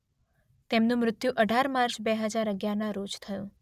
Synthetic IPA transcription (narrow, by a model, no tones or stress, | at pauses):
t̪emnũmɾʊt̪juʔəɖʱaɾmaɾt͡ʃbeɦəd͡ʒaɾəɡjanãɾot͡ʃt̪ʰəjũ